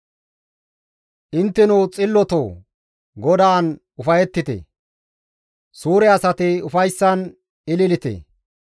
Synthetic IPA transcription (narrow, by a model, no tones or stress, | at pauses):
ʔɪnt̪ːɛnut͡sʼɪlːɔt̪oː | ɡɔd̪aːn | ʊfɐjɛt̪ːɪt̪ḛ | suːɾɛɐsɐt̪ɪʊfɐjsːɐn | ɪlɪlɪt̪ḛ